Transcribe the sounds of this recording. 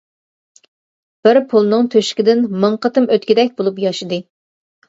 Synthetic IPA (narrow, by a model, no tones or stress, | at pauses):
b̥ɪɾpʰulˠnɨŋt̪ʰøʃkʲɪd̪ɪnmɨɴqət̪ɨmøt̪̚kʲid̪ɛkʲbolˠupjɑʃɨd̪ɨ